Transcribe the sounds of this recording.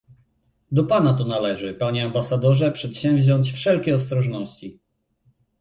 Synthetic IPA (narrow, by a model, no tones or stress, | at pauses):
d̪ɔpanat̪ɔnalɛʐɘpaɲɛambasad̪ɔʐɛpʂɛt̪ɕɛ̃mvʲʑɔɲt͡ɕfʂɛlkʲɛɔst̪ɾɔʐnɔɕt͡ɕi